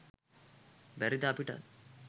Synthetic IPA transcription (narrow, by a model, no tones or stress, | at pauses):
bæɾid̪aːpiʈə̰